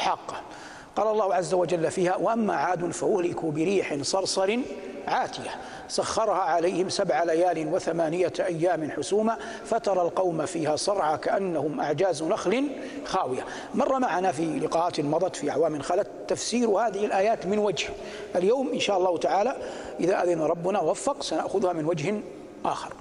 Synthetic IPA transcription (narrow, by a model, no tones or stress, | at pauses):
ħɑqː | qɑːlɑlˤːɑːhʊʕazːawad͡ʒalːafiːhawaʔamːaʕaːd̪ʊnfaʔʊhlɪkubɪɾiːħɪnsˤɑɾˤsˤɑɾɪnʕaːt̪ɪja | sɑxːɑɾˤhaʕalajhɪmsabʕalajaːlɪnwɪθamaːnɪjaʔajːaːmɪnħʊsuːma | fat̪ɑɾˤɑlqɑwmafiːhasˤɑɾˤʕakaʔanːahʊmʔaʕd͡ʒaːznaxlɪn | xaːwɪja | mɑrˤːɑmaʕanafilɪqɑːʔaːt̪ɪnmɑðˤɑt̪fiʔaʕwaːmɪnxaːlat̪t̪ːafsiːɾhaːðɪhɪlʔaːjaːt̪mɪnwad͡ʒh | ʔaljaːmʔɪnʃaːʔɑlˤːɑːhʊt̪aʕaːla | ʔɪðaʔaðɪnaɾˤɑbːʊnawafːɑqsanaʔxʊðhamɪnwad͡ʒhɪn | ʔaːxɪ̰ɾˤ